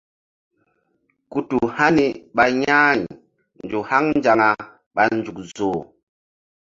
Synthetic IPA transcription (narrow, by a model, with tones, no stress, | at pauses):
ku˨tu˨ha˦ni˦ɓa˨ɲa˦˨ɲ˨ | nd͡ʒu˨ha˦ŋnd͡ʒa˨ŋa˨ | ɓa˨nd͡ʒu˨k̚zoː˨